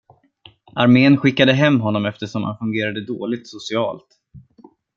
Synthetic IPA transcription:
ʔaɾmeːənɧɪkːad̪əɦɛmːɦɔnːɔmɛft̪əʂɔmha̰nfɵŋɡeːɾad̪əd̪oːlɪɡ̚t̪sʊsɪɑːlt̪

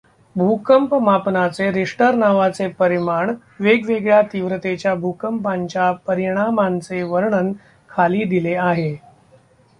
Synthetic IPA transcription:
bʱukəmpmapnat͡seɾiʂʈəɾnaʋat͡sepəɾimaɳ | ʋeɡʋeɡɭjat̪iʋɾət̪et͡ɕjabʱukəmpaɲt͡ɕjapəɾiɽ̃amant͡seʋəɾɳən | kʰaliːd̪ileaɦe

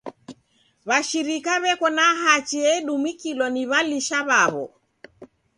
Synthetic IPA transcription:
βaʃiɾikaβɛkɔnaɦat͡ʃiɛɗumikilɔniβaliʃaβaβɔ̰

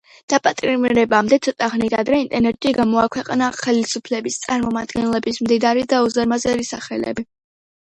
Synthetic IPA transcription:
d̪̥apʼat̪ʼiiɾmiɾɛbamd̪ɛt̪sʰɔt̪ʼaχnit̪ad̪ɾɛint̪ʼɛɾnɛt̪ʼʃiɡamɔakʰwɛqʼnaχɛlisupʰlɛbist̪sʼaɾmɔmad̪ɡɛnlɛbismd̪id̪aɾid̪aɔzɛɾmazɛɾisaχɛlɛ̰bi

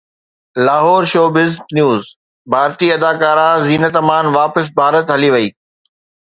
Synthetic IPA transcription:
laːɦɔːɾʃoːbɪzknjuːz | bʱaːɾt̪iɐd̪aːkaːɾaziːnət̪ɐmaːnʋaːpəs̬bʱaːɾət̪ɦɐliʋɐiː

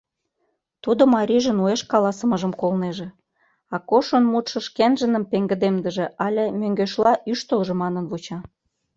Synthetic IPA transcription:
t̪ud̪omɑɾʲiʒə̆nueʃkɑlɑsə̆məʒəmkolneʒĕ | ɑkoʃonmut̪ʃə̆ʃkenʒə̆nə̆mpeŋɡə̆d̪emd̪ə̆ʒĕʔɑlʲemøŋɡøʃlɑʔyʃt̪əlʒĕmɑnə̆nvut͡ɕɑ

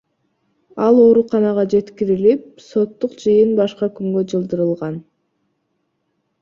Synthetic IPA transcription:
ɑlˠo̞ːɾuqɑnɑʁɑd͡ʒe̞t̪kiɾilip̚so̞t̪ːuqd͡ʒɯjɯnbɑʃqɑkyŋɡød͡ʒɯlˠd̪ɯɾɯlˠʁɑn

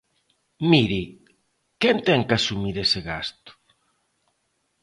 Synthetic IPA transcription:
miɾi | kɛnt̪ɛŋkasumiɾesɪɣast̪ʊ̥

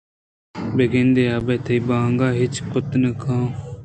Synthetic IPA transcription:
beɡẽnd̪eːaːbet̪ʰɐibãːŋɡaːɦɪt͡ʃkʊt̪nəkʰãː

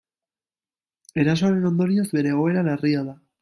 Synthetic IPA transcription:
e̞ɾaso̞aɾe̞no̞nd̪o̞ɾio̞zbe̞ɾe̞ːɣ̞o̞e̞ɾalariaða

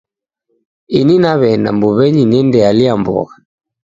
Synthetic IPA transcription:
ininaβɛna̰mbuβɛɲinɛndɛaliambɔ̰ɣa

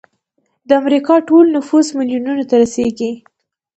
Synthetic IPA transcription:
d̪əamɾikɑʈolnʊfuzmɪljununat̪aɾaseɡi

